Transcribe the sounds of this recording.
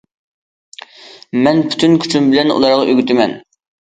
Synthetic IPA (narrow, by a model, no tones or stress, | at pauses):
mɛnpʰy̥t̪ʰynkʲʰy̥t͡ʃʰymbɪlɛnṵlˠɑɾʁɑʔøɡʲyt̪ʰɪmɛn